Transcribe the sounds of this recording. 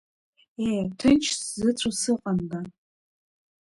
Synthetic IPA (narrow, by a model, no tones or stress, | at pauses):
ejtʰɨt͡ʃʰszɨt͡ɕʷʰʼasɨqʼanda